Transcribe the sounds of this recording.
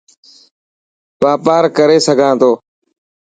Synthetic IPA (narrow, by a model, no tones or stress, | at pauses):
baːpaːɾkəɾeːsəɡʱãːt̪oː